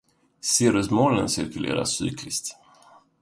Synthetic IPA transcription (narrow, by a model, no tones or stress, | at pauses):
seːɾəsmoːlənseːt̪ʰɪlḛːɾa̰sy̰ːkʰlɪst̪